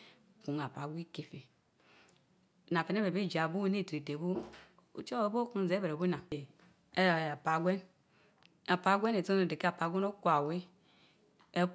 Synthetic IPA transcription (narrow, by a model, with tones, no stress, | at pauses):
ku˨ŋa˨pa˨ɡʷi˦ke˨fe˨ | na˨fe˨ne˦be˨be˦˨d͡ʒa˨bu˦ne˦˨ti˨de˨bu˦ | ṵ˦t͡ʃo˦˨˦bo˦ku˦n˨ze˦be˨ɾe˨bu˦na˨ | e˦˨a˨pa˨ɡʷe˦n | a˨pa˨˦ɡʷe˦ne˨to˦o˨de˨ke˦a˨pa˨ɡʷe˦no˦kʷa˨we˦ | e˦